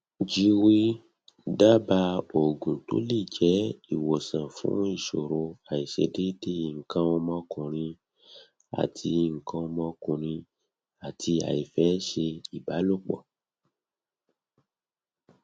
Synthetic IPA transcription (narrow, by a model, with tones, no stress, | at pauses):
d͡ʒi˧wi˦ | da˦ba˧o˨ɡũ˨to̰˨˦li˦˨d͡ʒɛ˨˦i˦˨wo˨sã˨fṵ̃˨˦i˦˨ʃo˨ɾo˧a˨i˨ʃḛ˧de˦de˦˨ŋ̩˨kã˧ɔ˧mɔ̃˦kũ˨ɾ̃ĩ˧ | a̰˨tʰi˧˨ŋ̩˨kã˧ɔ˧mɔ̃˦kũ˨ɾ̃ĩ˧ | a˨tʰi˧a̰˨i˨fɛ˦ʃe˧i˨ba˨˦lo˦˨k͡pɔ̰˨